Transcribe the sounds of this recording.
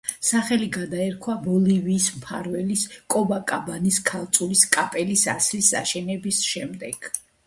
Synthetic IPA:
saχɛliɡad̪aɛɾkʰwabɔliviːsmpʰa̰ɾvɛliskʼɔbakʼabaniskʰalˠt̪sʼuliskʼapʼɛlisa̰slisa̰ʃɛnɛbisʃɛmd̪ɛɡ̥

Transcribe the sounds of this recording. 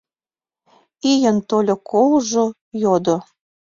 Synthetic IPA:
ijənt̪olʲokʰolʒo | jod̪ŏ

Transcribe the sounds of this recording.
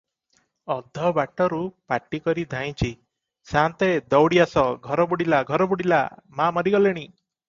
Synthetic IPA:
ɔd̪ʱːɔbaʈɔɾupaʈːikɔɾid̪ʱaj̃t͡ʃʰi | sant̪ed̪ɔwɽiasɔɡʱɔɾɔbuɽilaɡʱɔɾɔbuɽila̰mamɔɾiɡɔleɽ̃i

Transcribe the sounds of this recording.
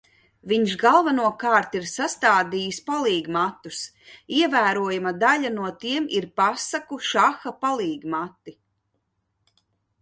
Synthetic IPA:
viɲʃɡalˠvanuɔkaːɾt̪iɾsast̪aːd̪ijuspalˠiːɡmat̪ːus | iɛvæːɾuɔjumad̪aʎʲanuɔt̪iɛmiɾpasakuʃaxapalˠiːɡmat̪ːi

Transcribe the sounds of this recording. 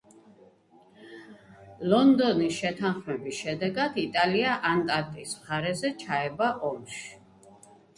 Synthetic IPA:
lɔnd̪ɔnisʃɛt̪ʰanχmɛbisʃɛd̪ɛɡad̪it̪ʼaliaʔant̪ʼaɾt̪ʼisχaɾɛzɛt͡ʃʰaɛbaʔɔmʃi̥

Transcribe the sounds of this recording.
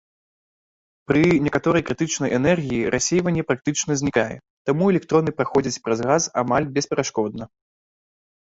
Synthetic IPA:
pɾɨnʲɛkat̪ɔɾɐjkɾɨt̪ɨt͡ʂnɐjʔɛnɛrɣʲijiɾʔasʲejvɐnʲːɛpɾak̚t̪ɨt͡ʂnɐzʲnʲikajɛ̰ | t̪amuɛlʲɛk̚t̪ɾɔnɨpɾaxɔd͡zʲɐt͡sʲpɾɐzɣaza̰malʲbʲɛspʲɛɾaʂkɔd̪̚nɐ

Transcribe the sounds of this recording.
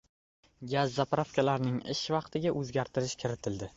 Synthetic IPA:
ɡʲazːapɾafkʲʰalaɾnɪŋɪ̰ʃvɑqt̪ʰɪɡʲaʔɵzɡʲaɾt̪ʰɪɾɪʃkʲʰɪɾɪt̪ʰɪld̪ɪ

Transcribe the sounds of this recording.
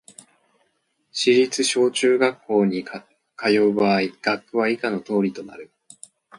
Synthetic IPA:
ɕiɾʲit͡sɨɕo̞ːt͡ɕɨːɡakːo̞ːɲ̟i | kajo̞ːbaiɡ̥akːɯ̟βaikano̞t̪o̞ːɾʲit̪o̞na̰ɾɯ̟

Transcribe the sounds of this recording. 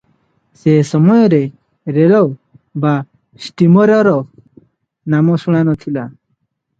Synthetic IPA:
sesɔmɔjɔɾe | ɾelɔ | ba | sʈimɔɾɔɾɔ | namɔsuɽ̃anɔt̪ʰila

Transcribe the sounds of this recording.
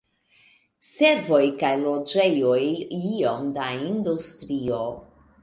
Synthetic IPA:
se̞ɾvo̞jkajlo̞d͡ʒe̞jo̞jio̞mdaindustɾio̞

